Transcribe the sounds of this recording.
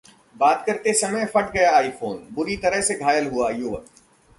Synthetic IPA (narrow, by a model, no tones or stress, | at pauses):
baːt̪kɐɾt̪esɐməjfɐʈɡɐjaaːifoːnbʊɾit̪ɐɾəɦseɡʱaːjəlɦuajoːʋə